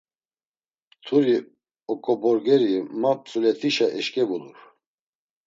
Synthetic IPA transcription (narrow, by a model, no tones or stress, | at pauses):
t̪ʰuɾi | ɔkʼɔbɔɾɡɛɾimap̚t͡sʼulɛt̪ʰiʃaʔɛʃkʼɛbuluɾ